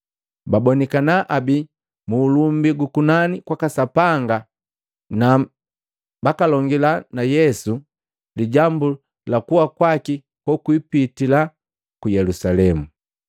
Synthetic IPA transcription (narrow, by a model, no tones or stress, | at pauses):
babɔnikanaʔabi | muːlumbiɡukunanikwakasapaŋɡa | na | bakalɔŋɡilanajɛsu | liɟambu | lakuwakwaki | pɔkuipitila | kujɛlusalɛmu